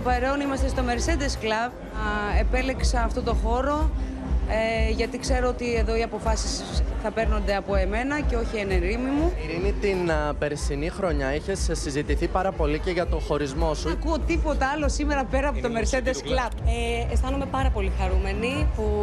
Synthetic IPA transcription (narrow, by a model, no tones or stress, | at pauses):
t̪opɐɾe̞onimɐst̪est̪o̞me̞ɾse̞d̪esklɐv | e̞pe̞leksɐɐft̪ot̪o̞xo̞ɾo̞ | eʝɐt̪ikse̞ɾoot̪ie̞ðo̞iɐpo̞fɐsisθɐpe̞ɾno̞nd̪eɐpo̞e̞me̞nɐce̞o̞çieneɾimimuɾinit̪inpe̞ɾsinixɾo̞ɲɐiçe̞ssizit̪iθipɐɾɐpo̞liceʝɐt̪o̞xo̞ɾizmo̞suɐkuo̞t̪ipo̞t̪ɐɐlo̞sime̞ɾɐpe̞ɾɐːpot̪o̞meɾse̞d̪essklɐvest̪ɐnume̞pɐɾɐpo̞lixɐɾume̞nipu